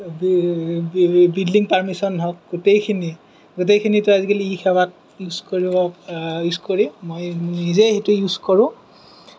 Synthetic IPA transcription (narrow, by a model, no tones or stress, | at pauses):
b | bildiŋpaɹmisɔnɦɔk̚ɡ̥utejkʰini | ɡutejkʰinitʊazikeliixʰɛbat̚ | juzkoɹibɔjuskoɹimojnizeɦetʊjuzkɔɹʊ̃